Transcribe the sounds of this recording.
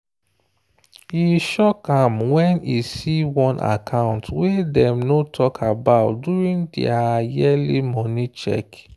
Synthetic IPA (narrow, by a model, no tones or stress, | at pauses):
iʃɔkãmwɛ̃nisiwɔ̃nʔa̰kʰãʊ̃ntwɛdɛ̃mnotʰɔkʰabaʊtduɹĩndɛ̰ajɛlimɔnit͡ʃɛ̰k